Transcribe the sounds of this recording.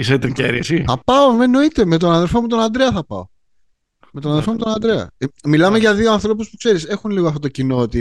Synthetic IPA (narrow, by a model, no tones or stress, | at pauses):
iset̪iceɾiesiθɐpɐomeno̞it̪e̞me̞t̪o̞nɐnðe̞lfo̞mut̪o̞nɐnd̪ɾeɐθɐpɐ̰o̰ | met̪onɐnðefo̞mut̪onɐnd̪ɾeɐ̰milɐme̞ʝɐðioɐnθɾo̞puspukse̞ɾise̞xunliɣoɐft̪ot̪ocino̞ot̪i